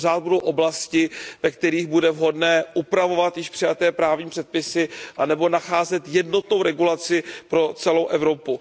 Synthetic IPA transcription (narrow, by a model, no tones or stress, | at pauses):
zaːd̪̚budo̞wʔo̞blascɪvɛkt̪ɛɾiːɣbudɛvɦo̞dnɛːʔupɾavo̞vat̪jɪʃpr̥ɪjat̪ɛːpɾaːvɲiːmpr̝̥ɛt̪̚pɪsɪʔanɛbo̞naxaːzɛt̪jɛdno̞t̪no̞wɾɛɡulat͡sɪpɾo̞t͡sɛlo̞wʔɛvɾo̞pu